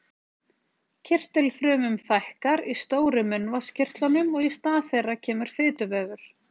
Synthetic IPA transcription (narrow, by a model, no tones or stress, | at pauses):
cʰɪr̥t̪ɪlfɾœːmʏmfajhkaɾist̪oːwɾʏmʏnvascʰɪr̥t̪lanʏmɔɣist̪aːθejrːacʰɛːmʏɾ̥fɪːt̪ʏvɛːɣʏɾ̥